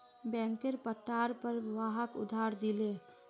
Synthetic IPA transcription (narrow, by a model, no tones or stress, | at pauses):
bɛ̃ːŋkeɾpəʈːaːɾpəɾʋaːɦəkʊ̰d̪ʱaːɾd̪ile